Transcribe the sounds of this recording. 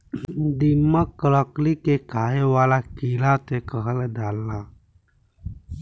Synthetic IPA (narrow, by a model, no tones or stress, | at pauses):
d̪imːakəɾɔklikekaːewaːlakiːlat̪ekəɦəled̪aːlːa